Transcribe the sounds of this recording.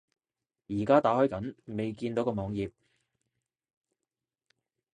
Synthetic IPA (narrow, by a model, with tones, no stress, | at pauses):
jiː˨˩kaː˥t̪aː˨˥hɔː˥jkɐ˨˥nme˨jkiː˧nt̪o˨˥wkɔː˧mɔː˨˧ŋjiː˨p̚